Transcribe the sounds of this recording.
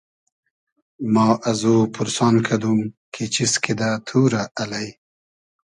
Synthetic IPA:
mɑːʔazopʰʊɾsɑːnkʰad̪umkʰet͡ʃisked̪at̪ʰuːɾaʔalaj

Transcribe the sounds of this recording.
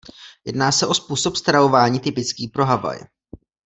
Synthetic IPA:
jɛ̰dnaːsɛʔo̞spuːso̞pst̪ɾavo̞vaːɲiːt̪ɪpɪt͡skiːpɾo̞ɦava̰j

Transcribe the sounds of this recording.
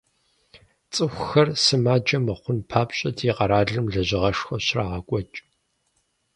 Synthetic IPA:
t͡sʼɨxʷxɐrsɨmaːd͡ʒɐmɐχʷʊnpʰaːpɕʼɐdʰiːqɐɾaːɮɨmɮɐʑɪʁɐʂxʷɐɕraːʁɐkʷʼɔt͡ʃʼ

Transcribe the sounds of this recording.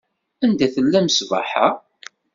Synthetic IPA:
ænd̪æθəlːæməsva̰ħa̰

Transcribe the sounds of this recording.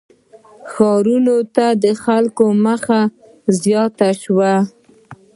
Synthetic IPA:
xɑɾunot̪ad̪əxalkoməxa | zjɑt̪aʃwa

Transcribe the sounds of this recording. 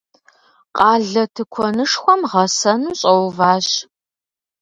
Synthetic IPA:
qʼɑːɮɐtʰɨkʷʰɔnɨʂxʷɔmʁɐsɐnuːɕʼɐwvaːɕ

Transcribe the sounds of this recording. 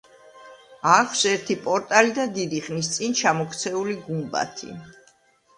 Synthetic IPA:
aχʰsɛɾt̪ʰipʼɔɾt̪ʼalid̪ad̪id̪iχnist̪sʼint͡ʃʰamɔkʰt̪sʰɛuliɡumba̰t̪ʰḭ

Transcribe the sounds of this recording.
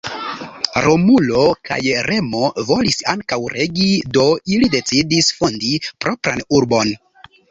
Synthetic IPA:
ɾomulo̞kʰa̰jɾe̞mo̞vo̞lisaŋkawɾʔe̞ɡido̞ilide̞t͡sidisfondipɾʔo̞pɾa̰nuɾbo̞n

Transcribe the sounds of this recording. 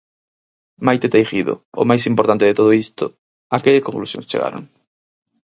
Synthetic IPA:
majt̪et̪ejxiðʊ̰o̰majsimpoɾt̪ant̪eðet̪oð̞oist̪ʊ | akeʎeskoŋklusjõ̰ŋst͡ʃḛɣa̰ɾo̰ŋ

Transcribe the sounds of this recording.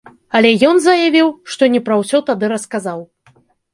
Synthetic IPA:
ɐlʲɛjɔnzɐjavʲiwʂt̪ɔnʲɛpɾɐwsʲɔt̪ad̪ɨɾɐskazaw

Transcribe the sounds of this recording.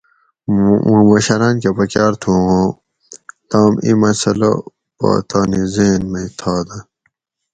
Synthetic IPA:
mɐɕɐɾaːnkepɐkjaːɾt̪ʰũːõ | t̪aːmimɐsɐlɐ̰ | pa̰ːt̪ʰaːnizeːnmɐt̪ʰaːd̪ɐ

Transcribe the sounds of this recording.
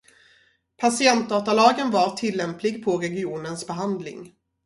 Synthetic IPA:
pʰasɪɛnt̪̚d̪ɑːt̪alɑːɡənvaɾʈʰɪlːɛmplɪɡpʰɔɾɛɡɪuːnənsbɛɦand̪lɪ̰ŋ

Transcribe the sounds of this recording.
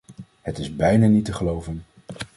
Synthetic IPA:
hətɪzbɛjnanitəχəlowvən

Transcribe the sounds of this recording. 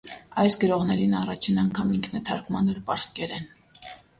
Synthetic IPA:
ɑjsɡəɾɔʁnɛɾinɑrɑt͡ʃʰinɑŋkʰɑmiŋkʰnɛt̪ʰɑɾkmɑnəɾpɑɾskɛɾɛn

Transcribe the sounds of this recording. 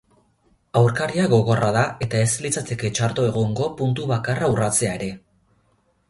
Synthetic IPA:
awɾkaɾiaɣo̞ɣo̞raðae̞t̪ae̞slit͡sat̪e̞ke̞t͡ʃaɾt̪oe̞ɣoŋɡo̞punt̪uβakaraurat͡se̞ae̞ɾe̞

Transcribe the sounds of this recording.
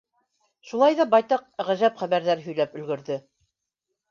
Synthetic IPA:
ʃulˠɑjðɑbɑjt̪ɑq̚ʁæʒæpχæβæɾðæɾɦɵ̆jlæpɵ̆lɡɵ̆ɾðɘ

